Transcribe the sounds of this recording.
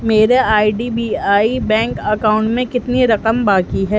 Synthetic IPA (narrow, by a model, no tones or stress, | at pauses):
meːɾeaːiɖiːbiːaːibɛ̃ːŋkɐkaːʊ̃ɳʈmẽkɪt̪niɾɐqəmbaːkiɦɛː